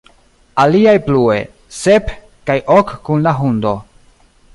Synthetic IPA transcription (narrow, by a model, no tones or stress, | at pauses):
aliajplue̞̰ | se̞p | kajʔokːunlaɦund̪o̞